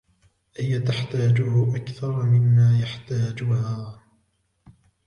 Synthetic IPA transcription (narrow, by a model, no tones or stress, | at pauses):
ʔɪjat̪aħt̪aːd͡ʒʊhʊʔakθɑɾˤmɪnːaːjaħt̪aːd͡ʒʊhaː